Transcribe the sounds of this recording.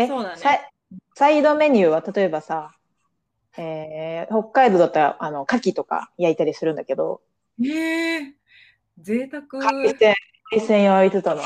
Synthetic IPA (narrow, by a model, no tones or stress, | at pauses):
eosa | said̪o̞me̞ɲ̟ʲɯ̟ːβat̪at̪o̞e̞basa | e̞ːho̞kːaid̪o̞d̪at̪ːaɾa̰ʔano̞kakʲit̪o̞ka̰jait̪aɾʲisɨɾɯ̟nd̪ake̞d̪o̞̰ | e | zeːt̪akɯkaisẽ | isẽ̞ɰ̃joit͡sɨt̪o̞no